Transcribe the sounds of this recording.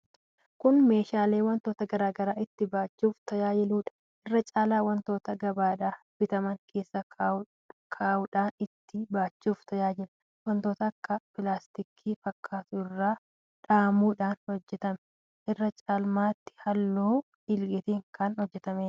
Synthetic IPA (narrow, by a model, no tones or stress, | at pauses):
kʊnme̞ːʃaːleːwɐnt̪o̞ːt̪ɐɡɐɾaːɡɐɾaːɪt̪ːɪbaːt͡ʃːuːft̪ɐjaːjɪluːᶑɐ̥ | ʔɪrːɐt͡ʃʼaːlaːwɐnt̪oːt̪ɐɡɐbaːᶑ̪aː | bɪt̪ɐmɐŋkʰe̞ːsːɐ | kʰaːʊᶑaːnɪt̪ːɪbaːt͡ʃːuːft̪ʰɐjaːd͡ʒɪlɐ | wɐnt̪o̞ːt̪ɐːkːɐpɪlaːst̪ɪkʰiːfɐkʰːaːt̪ʊɪrːaː | ᶑaːmuːᶑaːnhɔd͡ʒːɛt̪ɐmɛ̥ | ʔɪrːɐt͡ʃʼaːlmaːt̪ːɪ̥hɐlːoː | ɪlɡɛt̪iːŋkɐnhɔd͡ʒːɛt̪ɐmeːᶑɐ̥